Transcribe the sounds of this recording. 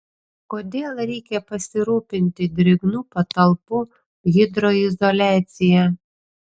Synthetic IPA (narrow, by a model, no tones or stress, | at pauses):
koːd̪ʲeːlˠɾʲɛɪkʲɛpɐsʲɪɾuːpʲɪnʲt̪ʲɪd̪ʲɾʲɪɡnuːpɐt̪ɐlˠpʊ | ɣʲɪd̪ɾoɪzɔlʲæːt̪sʲɪjɛ